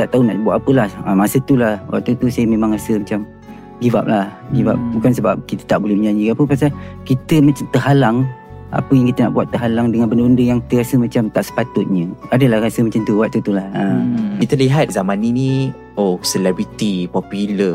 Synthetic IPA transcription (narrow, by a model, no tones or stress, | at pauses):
t̪aʔt̪auna̰ʔbuaʔ̪apəlahamasət̪ulahwa̰ʔt̪ːut̪usajəmẽmãŋrasəmat͡ʃam | ɡiva̰p̚lahɡiva̰p̚bukans̬əbap̚kit̪ə̥t̪aʔbolɛhməɲaɲiapəpasakit̪əmat͡ʃamt̪əɦalaŋ | ʔa̰pəjaŋkit̪əna̰ʔbuat̪ːəɦalaŋdəŋanbəndəbəndəjaŋkit̪əɾasəmat͡ʃamt̪aʔsə̥pat̪ʊt̪̚ɲəadəlahrasəmat͡ʃamt̪uwaʔ̚t̪ut̪ulahakit̪əliɦat̪̚zamãninĩ | osəlɛbɾit̪ipɔpjulə